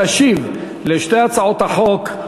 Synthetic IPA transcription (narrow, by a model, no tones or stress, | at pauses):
aʃiv | leʃteat͡saot̪haχok